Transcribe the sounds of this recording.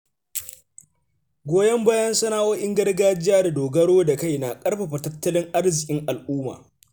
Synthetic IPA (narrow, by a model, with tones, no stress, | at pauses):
ɡʷoː˦jɐ˦mbaː˦jɐ˦nsɐ˦naː˦ʔoː˦ʔɪ˦ŋɡɐ˦rɡaː˦d͡ʒɪ˦jaː˦da˨doː˨ɡɐ˦ɽoː˦da˨ka˦jnaː˨kʼɐ˦ɽɸa˨ɸɐ˨tɐ˦tːɐ˦lɪ˦ŋʔa˦rzɪ˨kʲʼɪ˦ŋʔa˨lʔuː˦ma̰ː˨